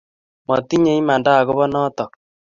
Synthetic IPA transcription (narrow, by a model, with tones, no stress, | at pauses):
mɔ˨t̪i˦ɲe˦i˦ma˨nda˦˨kʊ˦βɔ˦nɔ˦t̪ɔ˨k̚